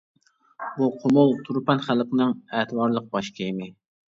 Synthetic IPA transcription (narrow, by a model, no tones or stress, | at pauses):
buqʰʊmʊlˠt̪ʰuɾpɛnχælˠqənɨŋɛt̪ɨwɑɾlˠəq̚bɑʃkʲʰemɪ